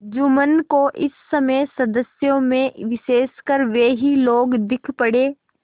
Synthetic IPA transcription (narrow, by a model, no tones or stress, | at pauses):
d͡ʒʊmənkoʔɪsːɐməjsɐd̪əsjõmẽʋɪʃeːskəɾʋeːɦiloːɡd̪ɪkʰpɐɽeː